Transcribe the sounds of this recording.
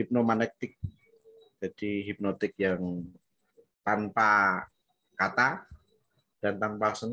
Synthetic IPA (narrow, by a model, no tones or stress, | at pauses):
hip̚nomanɛk̚t̪ɪk̚ | d͡ʒad̥iɦip̚not̪ɪk̚jaŋ | p̪anpa | kat̪a | d̥ant̪anpasən